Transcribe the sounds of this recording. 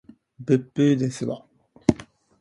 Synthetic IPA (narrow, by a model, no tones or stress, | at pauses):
bɯ̟pːɯ̟d̪esɨβa